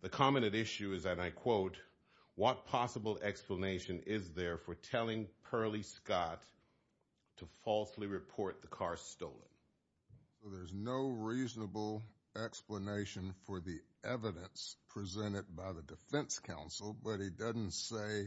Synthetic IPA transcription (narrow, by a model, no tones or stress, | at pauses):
ðɨkʰɑmɨɾɨɾɪʃʉɨzɨ̃naɪkʰw̥oʊt̚ | wʌt̚pʰɑsəbl̩ˠɛkspləneɪʃɨ̃nɪzðə˞fə˞tʰɛlˠɪ̃ŋpʰɜ˞lˠiskɑtʰ | əfɔlˠsliɹɨpʰɔɹt̪̚ðəkʰɑɹstoʊlˠə̰̃n | soʊðə˞znoʊɹiznəbl̩ˠ | ɛkspləneɪʃɨ̃nfə˞ðiʔɛvɨɾɨ̃nspʰɹ̥izɛ̃ɾ̃ɨd̚baɪðɨdɨfɛ̃nskʰãʊ̃nsl̩ˠbʌt̚hidʌzn̩tseɪ